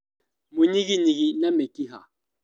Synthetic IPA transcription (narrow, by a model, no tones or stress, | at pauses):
muɲiɣiniɣinamɛkiɦa̰